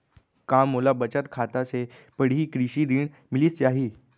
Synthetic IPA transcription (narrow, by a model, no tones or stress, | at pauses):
kamːolabət͡ɕət̪kʰat̪ase | pəɽ̤iːkɾiɕiːɾiːɳ | miliːst͡ɕeaɦiː